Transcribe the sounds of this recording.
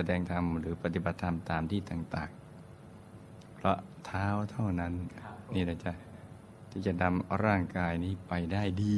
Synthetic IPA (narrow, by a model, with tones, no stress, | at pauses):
sa˧dɛː˧ŋt̪ʰa˧mɾɯː˩˦pa˧t̪i˨˩ba˨˩t̪ʰːa˧mt̪aː˧mt̪ʰiː˥˩t̪aː˨˩ŋt̪aː˨˩ŋ | pʰɾɔ˦˥ | t̪ʰaː˦˥wt̪ʰa˥˩wna˦˥nniː˥˩laː˧˩t͡ɕa˨˩ʔ | t̪ʰiː˥˩t͡ɕa˨˩na˧mɾaː˥˩ŋkaː˧jniː˦˥˩pa˧jdaː˥˩jdiː˧